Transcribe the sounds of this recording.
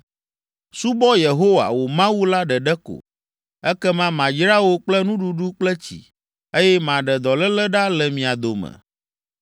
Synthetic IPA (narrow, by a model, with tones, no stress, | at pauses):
su˦bɔ˦je˨ɦo˦wa̰˨wo˨mã˦wu˦la˦ɖɛ˨ɖɛ˦ko̰˨ | ɛ˦kɛ˦mã˦mã˨d͡ʒɾa˦wo˦k͡plɛ˦nũ˦ɖu˨ɖu˦k͡plɛ˦t͡ɕḭ˨ | e˦jɛ˦mã˨ɖɛ˨d̪ɔ˨lɛ˦lɛ˦ɖa˦lɛ˨mĩ˨a˨d̪o˨mɛ̰̃˨